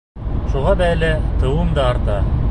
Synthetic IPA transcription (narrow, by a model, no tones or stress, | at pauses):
ʃuʁɑd̪æælɘt̪ɤ̆wɤmd̪ɑːɾt̪ɑ